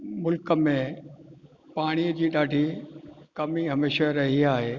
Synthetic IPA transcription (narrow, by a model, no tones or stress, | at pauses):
mʊlkə̆mẽ | paːɽ̃id͡ʑiːɗaːɖʱikɐmiɦɐmeːʃaɾɐɦiaːɦeː